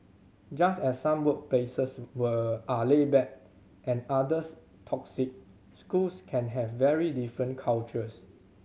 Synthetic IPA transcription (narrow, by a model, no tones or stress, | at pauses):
d͡ʒasɛsːãmwək̚plesəswəʔalebɛk̚ | ʔɛ̃nadəs | tʰɔksik̚ | skulskʰɛ̃nɦɛvːɛɹidifɹə̃nkʰalt͡ʃəs